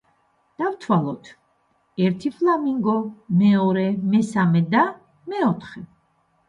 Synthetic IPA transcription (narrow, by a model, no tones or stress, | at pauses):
d̪̥awt̪ʰwalˠɔt̪ʰ | ɛɾt̪ʰipʰlamiŋɡɔmɛɔɾɛmɛsamɛd̪a | mɛɔt̪ʰχɛ